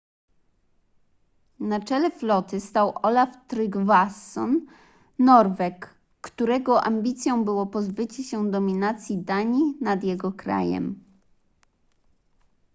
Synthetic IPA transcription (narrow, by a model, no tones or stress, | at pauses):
nat͡ʂɛlɛflɔt̪ɘst̪awʔɔlaft̪ɾɘɡvasːɔ̰nː | ɔɾvɛkː | t̪uɾɛɡɔʔamʲbʲit̪sʲjɔ̃w̃bɘwɔpɔzbɘt͡ɕuɕɛd̪ɔmʲinat̪sʲjid̪aɲinad̪jɛɡɔkɾa̰jɛ̰m